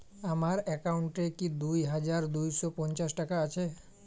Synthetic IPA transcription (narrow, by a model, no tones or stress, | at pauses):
amaɾɛkauɳʈekid̪ujɦad͡ʒaɾd̪ujsɔpɔnt͡ɕasʈakaat͡ʃʰe